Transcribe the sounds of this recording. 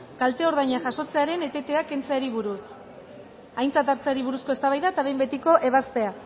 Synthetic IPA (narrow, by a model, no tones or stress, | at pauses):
kalt̪e̞o̞ɾðajɲaʝaʃo̞t͡se̞aɾe̞ne̞t̪e̞t̪e̞ake̞nt͡saeɾiβ̞uɾus | ajnt͡sat̪aɾt͡saaɾiβuɾusko̞e̞st̪aβajðaet̪aβe̞jmbe̞t̪iko̞ʔe̞βaspe̞a